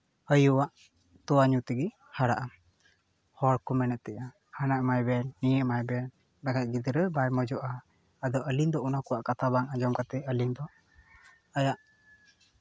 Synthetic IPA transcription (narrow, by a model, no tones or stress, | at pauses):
əjuwaʔ | t̪ɔwaɲut̪ɛɡi | haɾa̰ʔa | hɔɽkɔmɛnɛt̪̚t̪ɛʔa | hanaʔmajbɛnːijəʔmajbɛn | dakat̪̚ɡid̪ɾəbaɾmɔd͡ʒɔʔaː | d̪ɔʔəlind̪ɔunakɔwaʔkat̪ʰabaŋad͡ʒɔmkat̪ɛəlind̪ɔ | ajaʔ